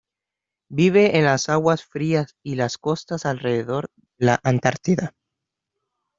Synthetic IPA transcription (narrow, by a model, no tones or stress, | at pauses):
biβ̞e̞ʔenlasaɣwasfɾiasilasko̞st̪asalre̞ðeðo̞ɾðelaʔant̪aɾt̪iða